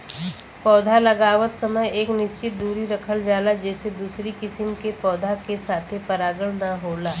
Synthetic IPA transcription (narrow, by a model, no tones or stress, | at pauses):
pɔːd̪ʱalɐɡaːʋət̪sɐməjeːknɪst͡ʃɪt̪̚d̪uːɾiɾɐkʰəld͡ʒaːlad͡ʒɛːsed̪uːsɾikɪsəmkepɔːd̪ʱakesaːt̪ʰepɐɾaːɡəɭnɐɦoːlaː